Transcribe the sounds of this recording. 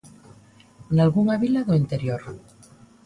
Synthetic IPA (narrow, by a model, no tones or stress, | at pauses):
nalɣuŋaβilaðoint̪eɾjoɾ